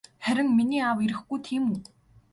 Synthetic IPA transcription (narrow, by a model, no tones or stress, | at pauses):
χæɾʲɪ̆ŋminiːawiɾɘ̆xɡujt̪ʰiːmu